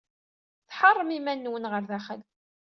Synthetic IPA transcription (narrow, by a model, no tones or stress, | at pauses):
θħɑrˤːəmimænːwənʁəɾðæχəl